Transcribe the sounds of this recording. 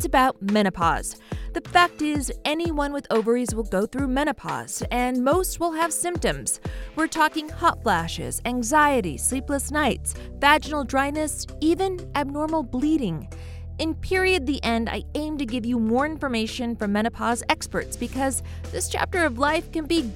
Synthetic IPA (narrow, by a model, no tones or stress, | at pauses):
sɨbaʊt̚mɛɾ̃ɨpʰɑ̰z̥ðɨfæk̚tɪzʔɛniwʌ̃nwɨðoʊvə˞izwəlˠɡoʊθɹʉmɛɾ̃ɨpʰɑ̰z̥ɨ̃nmoʊst̚wəlˠɨv̥sɪ̃mp̚tɨ̃mz̥wəɹtʰɔkɪ̃ŋhɑtflæʃɪ̰z̥æ̃ŋzaɪɨɾḭslipləsnaɪts | væd͡ʒnl̩ˠdɹaɪnɨs | ivɨ̃nʔɨb̚nɔɹml̩ˠbliɾɪ̃ŋ | ɨ̃npʰɪɹiɨd̪̚ðiʔɛ̃nda̰ɪʔẽɪ̃mtɨɡɪvjɨmɔɹɪ̃nfə˞meɪʃɨ̃nfə˞mɛɾ̃ɨpʰɑzɛkspə̰˞tsb̥ɨkʰʌz | ðɪst͡ʃʰæ̰p̚tə˞ʌvlaɪfkɨ̃nbi